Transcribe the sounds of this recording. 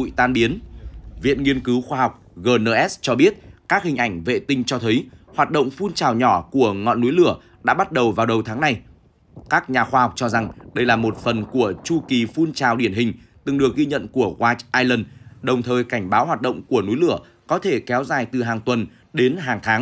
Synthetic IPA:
ṵ˧˨jt̪aː˧nɓi˨˦ənvḭ˧˨ənŋi˧ənkɨ˨˦wxwaː˧ɦɔ˨˩wk͡p̚ɣəː˨˩nəː˧˩ʔɛ˦˥st͡ɕɔ˧ɓi˦˥ət̚kaː˦˥k̚hï˨˩ŋ̟ʔa˧˩jŋ̟vḛ˧˨t̪ï˧ŋ̟t͡ɕɔ˧t̪ʰə˨˦jhwaː˨˩t̚ɗə̰˧˨ŋ͡mfu˧nt͡ɕaː˨˩wɲɔ˧˩ku˧˩əŋɔ̰˧˨nːu˨˦jlɨ˧˩ə | ɗa̰ː˧˥ɓa˦˥t̚ɗə˨˩wvaː˨˩wɗə˨˩wt̪ʰaː˨˦ŋna˨˩j | kaː˦˥k̚ɲaː˨˩xwaː˧ha˨˩wk͡p̚t͡ɕɔ˧za˨˩ŋɗə˧jlaː˨˩mo˨˩t̚fə˨˩nku˧˩ət͡ɕu˧ki˨˩fu˧nt͡ɕaː˨˩wɗi˧˩ənɦï˨˩ŋ̟ | t̪ɨ˨˩ŋɗɨ˨˩ək̚ɣi˧ɲə̰˧˨nku˧˩əɣwaː˧˥t͡ɕʔaː˧jlə˧˩nɗə˨˩wŋ͡mt̪ʰəː˨˩jka˧˩jŋ̟ɓaː˨˦whwaː˨˩t̚ɗə̰˧˨wŋ͡mku˧˩ənu˨˦jlɨ˧˩ə | kɔ˨˦t̪ʰe˧˩kɛ˨˦wzaː˨˩jt̪ɨ˨˩ɦaː˨˩ŋt̪wə˨˩n | ɗe˨˦nɦaː˨˩ŋt̪ʰaː˨˦ŋ

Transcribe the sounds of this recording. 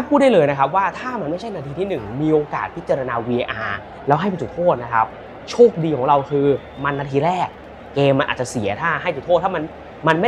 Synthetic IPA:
a˦˥pʰuː˥˩da˥˩jlɤː˧jna˦˥kʰa˦˥p̚waː˥˩t̪ʰaː˥˩ma˧nma˥˩jt͡ɕʰa˥˩jnaː˧t̪ʰiː˧t̪ʰiː˥˩nɯ˨˩ŋmiː˧ʔoː˧ka̰ː˨˩t̪̚pʰi˦˥t̪̚t͡ɕaː˧ɾa˧naː˧wiː˧ʔe˧ʔaː˧ | lɛː˦˥ɦa˥˩jpe˧nsu˨˩t̪ʰoː˥˩t̪̚na˦˥kʰa̰˦˥p̚ | t͡ɕʰoː˥˩k̚diː˧kʰɔː˨˩˦ŋɾa˧wkʰɯː˧ | ma˧nːaː˧t̪ʰiː˧ɾɛː˥˩k̚ː | eː˧mːa˧nʔaː˨˩t̚t͡ɕa˨˩si˩˦ɐt̪ʰaː˥˩ɦa˥˩jt͡ɕʰu˨˩o˥˩t̪ːʰaː˥˩ma˧n | ma˧nma˥˩

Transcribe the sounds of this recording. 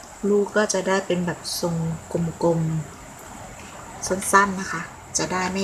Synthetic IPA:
luː˦˥kɔː˥˩t͡ɕa˨˩daː˥˩jpe˧nbɛː˨˩p̚so˨˧˩ŋko˧mko˧m | sa˥˩˨nsa˥˩nːa˦˥kʰa˦˥˩ | t͡ɕa˨˩daː˥˩jma˥˩

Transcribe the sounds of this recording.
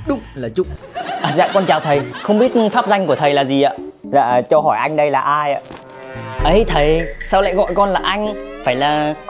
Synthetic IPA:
ɗʊ˦˥ŋ͡m̚laː˨˩zʊ̰˧˨ŋ͡m̚ | ʔaː˨˩za̰ː˧˨kɔ˧nt͡ɕaː˨˩wt̪ʰə˨˩jxə˧wŋ͡mɓi˦˥ət̚faː˦˥p̚za˧jŋ̟ku˧˩ət̪ʰə˨˩jlaː˨˩zi˨˩ʔa̰ː˧˨za̰ː˧˨t͡ɕɔ˧ɦɔ˧˩jʔa˧jŋ̟ɗə˧jlaː˨˩ʔaː˧jʔa̰ː˧˨ | ʔə˨˦jt̪ʰə˨˩jsaː˧wla̰ː˧˨jɣɔ̰˧˨jkɔ˧nlaː˨˩ʔa˧jŋ̟faː˧˩jlaː˨˩

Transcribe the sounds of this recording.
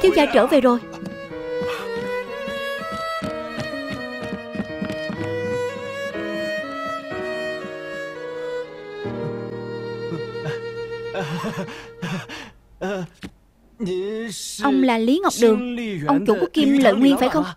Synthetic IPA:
t̪ʰi˧wzaː˧˩jt͡ɕəː˧˩ve˨˩zo˨˩j | ʔə˧wŋ͡mlaː˨˩li˨˦ŋa˨˩wk͡p̚ɗɨ˨˧˨əŋ˧ʔə˧wŋ͡mt͡ɕṵ˧˩˦ku˦˥ki˧mlə̰ː˧˨jŋwi˧əŋfaː˧˩jxə˧wŋ͡m

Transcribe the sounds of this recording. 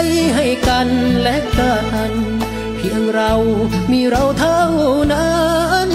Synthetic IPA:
jɦa˧˩jka˧nlɛ˦˥k̚t̪aː˧˩k̪a˧n | pʰi˧˩əŋɾa˧wmiː˧˩ɾa˧wt̪ʰa˧˥wna˧˥n

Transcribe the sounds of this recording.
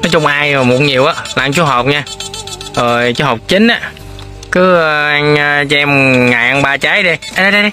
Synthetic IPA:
nɔ˨˦jt͡ɕʊ˧ŋ͡mʔaː˧jə˨˩mo˨˩ɲi˨˩əwʔaː˨˦la˨˧ŋt͡ɕu˧˦ɦɔ˨˩wk͡p̚ɲaː˧ʔəː˨˩t͡ɕɔ˧ɦə˨˩wk͡p̚t͡ɕï˨˦ŋ̟ʔaː˧˦ | kɨ˨˦ə˧ʔa˧ŋəː˧t͡ɕɛ˧mŋa̰˨ʔŋɓaː˧t͡ɕa˨˦jɗi˧˦˧a˦˧˦

